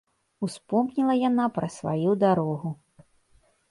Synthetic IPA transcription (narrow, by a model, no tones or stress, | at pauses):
uspɔmnʲilˠɐjanapɾɐsva̰jud̪aɾɔɣu